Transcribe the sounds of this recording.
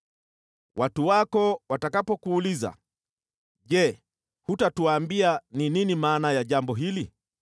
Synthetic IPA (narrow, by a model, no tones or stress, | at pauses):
wʔatuwakɔwatakapɔkuːliza̰ | ʄɛ | hutatuwaːmbianininimaːnajaʄambɔɦili